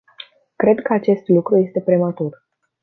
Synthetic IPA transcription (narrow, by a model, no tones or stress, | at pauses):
kɾe̞d̪kəat͡ʃe̞st̪lukɾuje̞st̪e̞pɾemat̪ur